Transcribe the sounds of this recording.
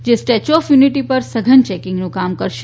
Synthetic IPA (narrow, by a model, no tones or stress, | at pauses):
d͡ʒesʈet͡ʃɔfjuniʈipəɾsəɡʱənt͡ʃɛkɪ̃ŋɡnũkamkəɾʃ